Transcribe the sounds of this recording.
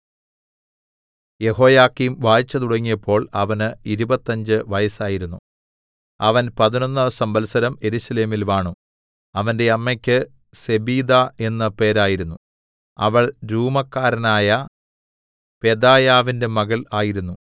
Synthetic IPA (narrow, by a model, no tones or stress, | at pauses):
je̞ho̞ːjaːkːimʋaːjit͡ɕːɐt̪uɽɐŋːijɐpːo̞ːɭɐʋɐnɨiɾubɐt̪ːɐɲd͡ʑɨʋɐjɐsaːjiɾunːu | ɐʋɐnpɐðino̞nːɐsɐmbɐlsɐɾɐme̞ɾuɕɐle̞ːmilʋaːɳu | ɐʋɐnde̞ɐmːekʲːɨ | se̞biːd̪ae̞nːɐpe̞ːɾaːjiɾunːu | ɐ̰ʋɐɭɾuːmɐkːaːɾɐnaːjɐ | pe̞d̪aːjaːʋinde̞mɐɣɐlaːjiɾunːu